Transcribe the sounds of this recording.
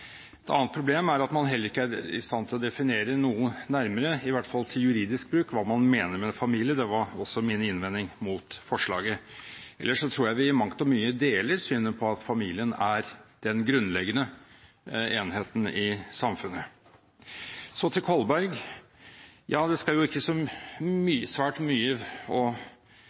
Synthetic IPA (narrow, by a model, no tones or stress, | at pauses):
ɛt̪ɑ̰nət̪pʰɾʊbleːmæɾɑt̪mɑnɦɛlːəɾɪkːəæɾɪ̰st̪ɑnt̪ʰɪlɔd̪ɛfɪneːɾənuːənnæɾməɾəɪʋæʈfɑlt̪ʰɪljʉɾiːd̪ɪsk̚bɾʉːkʋɑːmɑnmeːnəɾmɛfɑmiːlɪəd̪ɛʋɑɾɔsːɔmiːnəɪnʋɛnɪŋmʊt̪fɔʂɭɑ̰ːɡəɛ̰lːəʂɔt̪ʰɾuːɾjæɪʋɪmɑŋt̪ɔmyːəd̪eːləɾsyːnənpʰɔɑt̪fɑmiːlɪənæɾd̪̥ɛnɡɾʉnːlɛɡənə | eːnheːt̪n̩ɪsɑmfʉnːə | sɔt̪ʰɪlkʰɔlbæɾɡ | jɑːd̪ɛskɑljʊɪkːəsɔmyːəsʋæːʈmyːəɔ